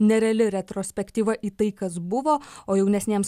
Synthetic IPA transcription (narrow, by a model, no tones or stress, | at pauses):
nʲɛɾʲɛɐlʲɪɾʲɛt̪ɾoːsʲpʲɛkt̪ʲiːʋɐʔiːt̪ɐɪkɐsbʊʋoːoːjɛʊnʲɛsʲnʲeːms